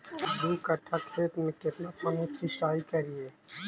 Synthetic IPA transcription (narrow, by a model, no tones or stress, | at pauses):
d̪uːkɐʈʰːakʰeːt̪mẽkɪt̪napɐmesiʃaːikɐɾieː